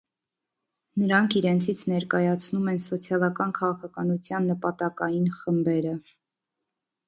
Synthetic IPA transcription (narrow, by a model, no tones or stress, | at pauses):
nəɾɑŋkʰiɾɛnt͡sʰit͡sʰnɛɾkɑjɑt͡sʰnumɛnsɔt͡sʰjɑlɑkɑnkʰɑʁɑkʰɑkɑnut͡sʰjɑnːəpɑt̪ɑkɑjinχəmbɛɾə